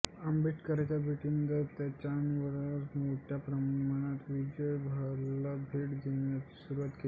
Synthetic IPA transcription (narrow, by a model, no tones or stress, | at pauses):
əmbiʈkəɾajt͡ɕabʱiʈiməd̪ʱet̪jat͡ɕanʋəɾɾmoʈʰjapɾəmaɽ̃at̪ʋid͡ʑəjbʱaɾlabʱiːʈd͡ʑinasuɾuʋat̪ke